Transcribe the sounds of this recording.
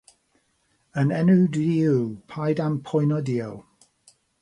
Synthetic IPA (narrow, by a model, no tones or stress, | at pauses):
ənɛnudiupʰajdampʰɔjnɔdiəlˠ